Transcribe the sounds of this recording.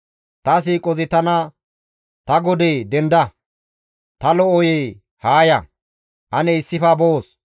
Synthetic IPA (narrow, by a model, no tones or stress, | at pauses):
t̪ɐs̬iːkʼɔzɪt̪ɐnɐ | t̪ɐɡɔd̪eːd̪ɛnd̪ɐ | t̪ɐlɔʔɔje | haːjɐ | t̪ɐnɛɪsːɪfɐboːs